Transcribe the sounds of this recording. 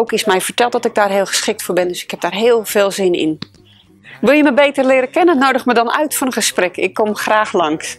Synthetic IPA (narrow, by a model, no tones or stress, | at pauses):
owkɪsmɛjvərtɛlˠt̚dɔtɪɡ̚daːrɦɪːlˠχə̥sχɪk̚tfʊːɹbɪndøsɪ̥khɛp̚daːrɦɪːlˠv̥eːlˠzɪnɪ̰n | ʋɪlˠjəməbejtərlɪəɾəkɛnənːoːdəxmədɔnœ̰ɥtfɔnənχəsprɛkʰɪ̰kːomxraːxlɑŋs